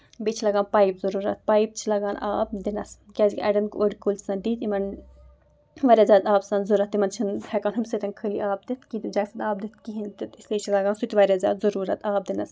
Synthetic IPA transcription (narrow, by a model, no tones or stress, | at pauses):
bet͡ʃʰilɐɡaːnpaːipzɐɾuːɾɐ̰t̪̚paːjp̚t͡ʃʰilɐɡaːna̰ːb̚d̪inɐs | kʲaːzikʲʔɐ̰ɖɐnkoɽʲikolt̪ʰʲsɐnd̪iːt̪imɐn | ʋɐɾʲjaːzaːd̪aːbsɐnzuɾɐt̪ːimɐnt͡ʃʰinhɛkaːnɦumʲsɐt̪ʲɐnkʰəliʔaːb̚d̪it̪ʰkit̪id͡ʒɐːsɐnaːb̚d̪it̪̚ʰkiɦint̪it̪isliːt͡ʃʰilɐɡaːnsut̪ʲʋɐɾʲaːzʲa̰ːt̪zɐɾuːɾɐt̪ʰaːb̚d̪inɐs